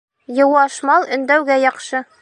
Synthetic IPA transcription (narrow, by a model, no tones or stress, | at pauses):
jɤ̆wɑʃmɑlˠɵ̆nd̪æwɡæjɒqʃɤ